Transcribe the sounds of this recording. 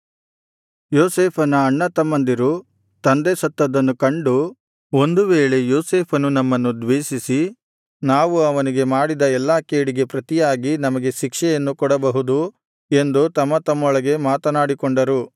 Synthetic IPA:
joːseːpʰɐnɐːɳːɐt̪ɐmːɐnd̪iɾu | t̪ɐnd̪esɐt̪ːɐd̪ɐnːukɐɳɖu | o̞nd̪uʋeːɭe̞joːseːpʰɐnunɐmːɐnːud̪ʋeːʃisi | naːʋuɐʋɐniɡe̞maːɽid̪ɐɛlːaːkeːɽiɡe̞pɾɐt̪ijaːɡinɐmɐɡe̞ʃikʂɛjɐnːukɔɽɐbɐɦud̪u | e̞nd̪ut̪ɐmːɐt̪ɐmːɔɭɐɡe̞maːt̪ɐnaːɽikoɳɖɐɾu

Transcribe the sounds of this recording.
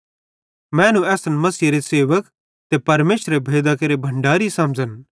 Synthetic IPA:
mɛ̃ːnũɛːsənmɐsiːɾeseːʋək | t̪epɐɾmeːʃɾebʱeːd̪akɐɾebʱɐ̃ɳɖaːɾisɐ̃md͡ʒən

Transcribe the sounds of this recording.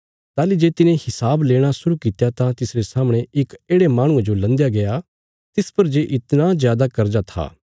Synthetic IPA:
t̪aːlid͡ʒeːt̪ɪnẽhɪsaːbleːɽ̃asʊɾukit̪jat̪ãt̪ɪsɾesaːməɽ̃eɪkeːɽemaːɽ̃ʊ̃ẽd͡ʒolɐ̃nd̪jaɡɐa | t̪ɪspɐɾd͡ʒeːʔɪt̪nazjaːd̪akɐɾd͡ʒat̪ʰa̰ː

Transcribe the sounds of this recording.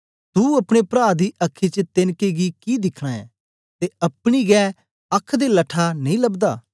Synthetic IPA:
t̪uɐpɽ̃epɾaːd̪iʔɐkʰːit͡ʃət̪ɪnkeɡikid̪ɪkʰɽ̃aːɛ̰̃ | t̪eɐpɽ̃iɡɛː | ɐkʰːd̪elɐʈʰanɐĩlɐbd̪aː

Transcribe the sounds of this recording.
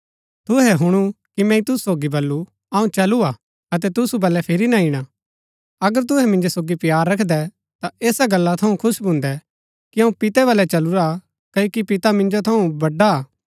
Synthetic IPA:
t̪ʊɦɛɦʊɽ̃ukimɛ̃ĩt̪ʊsu̥soːɡibɐlːu | ɐũt͡ʃɐlua | ɐt̪̬ɛt̪̬ʊsubɐlːɛpʰɪɾinaɪɽ̃a | ɐɡəɾt̪̬ʊɦɛmɪ̃nd͡ʒosoːɡipjaːɾːɐkʰd̪ɛ | t̪aeːsaɡɐlːat̪ʰɐũkʰʊsbʱʊ̃ːnd̪ɛ | kiɐ̃ũpɪt̪ɛβɐlɛt͡ʃɐluɾa | kɐokipɪt̪amɪ̃nd͡ʒot̪ʰɐũbɐɖːaː

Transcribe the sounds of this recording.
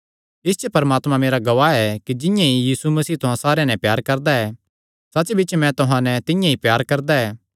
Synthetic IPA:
ɪst͡ʃepɐɾmaːt̪mãmeːɾaɡɐʋaːɛkid͡ʒɪ̃jãijiːsumɐsiːt̪ʊɦãsaːɾeãnɛ̃pjaːɾkɐɾd̪aɛ | sɐt͡ʃbɪːt͡ʃmɛ̃t̪ʊɦãnɛ̃t̪ɪjãɦipjaːɾkɐɾd̪aɛː

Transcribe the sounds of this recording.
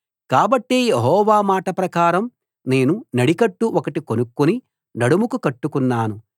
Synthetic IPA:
kaːbɐʈːeːjeɦɔːʋaːmaːʈɐpɾɐkaːɾɐm | ne̞ːnunɐɽikɐʈːuʔɔkɐʈikonukːuni | nɐɽumukukɐʈːukunːaːnu

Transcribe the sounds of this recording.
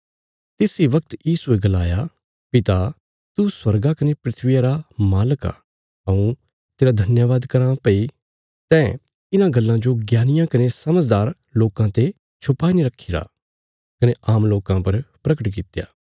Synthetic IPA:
t̪ɪːsiʋɐk̚t̪jiːsueɡɐlaːja | pɪt̪a | t̪uswɐɾɡakɐnepɾɪt̪ʰʋijaɾamaːləka̰ | ɐũ | t̪eːɾad̪ʱɐnjəʋaːd̪kɐɾãːpɐi | t̪ɛ̃ | ɪnãɡɐlːãd͡ʒoɡjaːnɪjãkɐnesɐməd͡ʒd̪aːɾ | loːkãt̪e | t͡ʃʰʊpaːiniɾɐkʰːiɾa̰ | kɐneʔaːmloːkãpɐɾpɾɐkəʈkɪt̪ja̰ː

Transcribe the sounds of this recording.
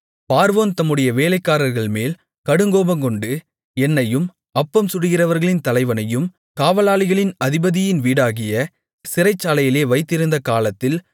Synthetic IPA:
paːɾʋoːnt̪ɐmːɯɽɐjɐʋeːlɐɪkːaːɾɐɾɣɐɭmeːl | kɐɽɯŋɡoːbɐŋkɔɳɖɯ | ɛnːɐjɯm | ɐpːɐmsʊɽɯɣɪrɐʋɐɾɣɐɭɪnt̪ɐlɐɪʋɐnɐjɯm | kaːʋɐlaːlɪɣɐɭɪnɐðɪbɐðɪjɪnʋiːɽaːɣɪjɐ | sɪɾɐɪt͡ʃːaːlɐjɪleːʋɐɪt̪ːɪɾɯnd̪ɐkaːlɐt̪ːɪl

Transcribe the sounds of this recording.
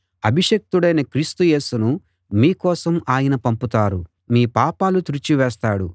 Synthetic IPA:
ɐbʱiʃɐk̚t̪uɽɐjnɐkɾiːst̪uje̞ːsunu | miːkɔːsɐmaːjɐnɐpɐmput̪aːɾu | miːpaːpaːlut̪ɾut͡ʃiʋɛːst̪aːɽu

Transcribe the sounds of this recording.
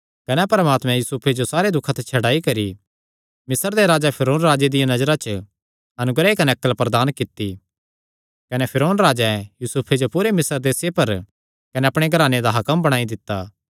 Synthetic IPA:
kɐnɛpɐɾəmaːt̪mɛ̃juːsupʰed͡ʒosaːɾed̪ʊkʰːat̪ʰɛt͡ʃʰɐɽaːikɐɾi | mɪsəɾd̪eɾaːd͡ʒapʰɪɾoːnɾaːd͡ʒed̪ɪjãnɐd͡ʒɾat͡ʃə | ɐnʊɡɾeikɐnɛɐkːəlpɾɐd̪aːnkɪt̪ːi | kɐnɛpʰɪɾoːnɾaːd͡ʒɛjuːsuːpʰed͡ʒopuːɾemɪsəɾd̪eːsjepɐɾ | kɐnɛɐpɽ̃eɡʱɐɾaːned̪aɦɐkəmbɐɽ̃aːid̪ɪt̪ːaː

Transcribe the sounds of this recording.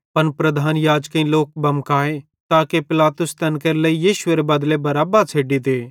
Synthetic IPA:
pɐnpɾɐd̪ʱaːnjaːd͡ʒkɐĩloːk̚bɐmkaːe | t̪aːkepɪlaːt̪ʊst̪ɐnkeɾləijiːʃʊeɾebɐd̪lebɐɾaːbat͡sʰeːɖit̪eː

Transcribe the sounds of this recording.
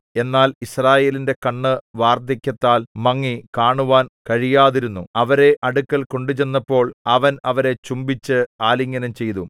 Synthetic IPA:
e̞nːaːlisraːje̞ːlinde̞kɐɳːɨʋaːrd̪ɐkʲːɐt̪ːaːlmɐŋːikaːɳuʋaːnkɐɻijaːðiɾunːuɐʋɐɾe̞ʔɐɽukːɐlko̞ɳɖut͡ɕe̞nːɐpːo̞ːɭɐʋɐnɐʋɐɾe̞t͡ɕumbit͡ɕːɨaːliŋːɐnɐmt͡ɕe̞jt̪u

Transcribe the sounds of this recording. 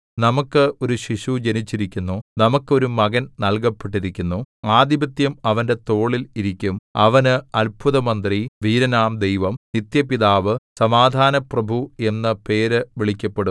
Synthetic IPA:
nɐmukːɨo̞ɾuɕiʂud͡ʑɐnit͡ɕːiɾikʲːunːunɐmukːo̞ɾumɐɣɐnnɐlk̬ɐpːeʈːiɾikʲːunːuaːd̪ibɐt̪jɐmɐʋɐnde̞t̪o̞ːɭiliɾikʲːumɐ̰ʋɐnɨɐlbʱuðɐmɐnd̪riʋiːɾɐnaːmd̪ejʋɐmnit̪jɐpiðaːʋɨsɐmaːd̪ʱaːnɐprɐbʱue̞nːɐpe̞ːɾɨʋiɭikʲːɐpːeɽum

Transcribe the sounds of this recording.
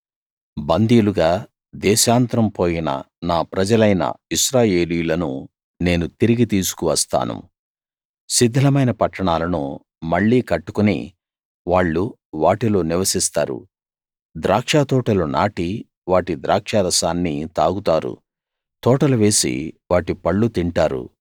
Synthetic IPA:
bɐnd̪iːluɡaː | d̪ɛːʃaːnt̪ɾɐmpoːjinɐ̰ | naːpɾɐd͡ʒɐlɐjnɐ̰iʃɾaːje̞ːlijulɐnṵ | ne̞ːnut̪iɾiɡit̪iːsu̥kuʋɐst̪a̰ːnṵ | sid̪ʱːɐlɐmɐjnɐpɐʈːɐɳaːlɐnṵ | mɐɭːiːkɐʈːu̥kunḭ | ʋaːɭːu | ʋaːʈilo̞ːniʋɐsist̪aːɾṵ | d̪ɾaːkʂaːt̪ɔːʈɐluna̰ːʈi | ʋaːʈid̪ɾaːkʂaːɾɐsaːnːit̪aːɡut̪aːɾṵ | t̪ɔːʈɐluʋe̞ːsḭʋaːʈipɐɭːut̪iɳʈaːɾṵ

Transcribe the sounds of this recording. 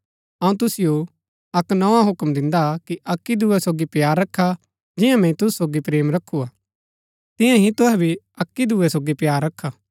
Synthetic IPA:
ɐũt̪ʊsɪjo | ɐknɐãɦʊkmd̪ɪ̃nd̪akiʔɐkːid̪uːɛsoːɡipjaːɾːɐkʰːa | d͡ʒɪjãmɛ̃ĩt̪ʊssoːɡipɾeːmɾɐkʰːuaː | t̪ɪ̃jãɦĩt̪ʊɦɛbʱi | ɐkːid̪uɛsoːɡipjaːɾːɐkʰːaː

